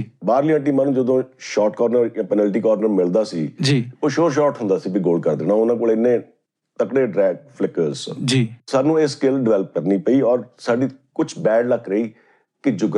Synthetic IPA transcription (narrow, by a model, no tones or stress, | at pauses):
baːɾlijãːʈ̬iːmaːnũːd͡ʒəd̪õːʃɔːʈkɔːɾnəɾjãːpɛnɛːlʈ̬iːkɔːɾnəɾmɪld̪aːsiːd͡ʒiːoːʃoːɾʃ̬ɔːʈɦʊ̃nd̪aːsiːbiːɡoːlɖkəɾd̪eːnãːʊnãːkoːlɪnːẽː | t̪əkɽeːɖɾɛːɡ̚pʰlɪkəɾzd͡ʒiːsaːnũːeskɪlɖɪʋɛːləp̚kəɾniːpəiːɔːɾsaːɖiːkʊt͡ʃʰbɛːɖləkːɾəiː | kɪd͡ʒʊɡ